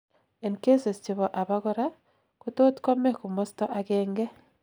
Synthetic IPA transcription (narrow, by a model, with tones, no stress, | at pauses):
e˨ŋke˦se˨st͡ʃiβo˨ʔa˨βaɣoɾa | kuto˦tko˦me˦ku˨mosi̥to˦ʔakeːŋɡe˦